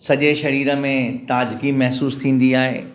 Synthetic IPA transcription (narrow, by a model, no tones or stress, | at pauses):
sɐʄeʃɐɾiːɾə̆mẽt̪aːd͡ʑkimɛɦsuːst̪ʰĩːn̆d̪iaːɦḛː